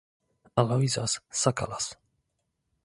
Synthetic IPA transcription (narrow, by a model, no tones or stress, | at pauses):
alɔjzasːaka̰las